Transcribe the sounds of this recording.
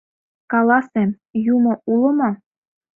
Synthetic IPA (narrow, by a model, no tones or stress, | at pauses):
kɑlɑsem | jumɤ̆ulɤ̆mɑ